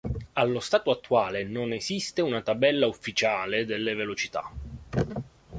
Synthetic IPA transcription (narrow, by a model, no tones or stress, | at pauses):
alːost̪aːt̪oat̪ːuaːlenonezist̪eunat̪abɛlːaufːit͡ʃaːled̪elːevelot͡ʃit̪a̰